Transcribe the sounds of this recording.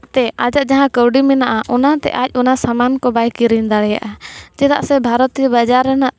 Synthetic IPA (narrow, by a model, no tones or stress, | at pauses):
t̪ɛad͡ʒaʔ̚d͡ʒaɦãkəwɖimɛnaʔaʔɔnat̪ɛ̰ʔac̚ˀɔnasamankɔbajkiɾind̪aɽɛja̰ʔad͡ʒɛd̪a̰ʔsɛbʱaɾɔt̪iəbad͡ʒaɾɛnaʔ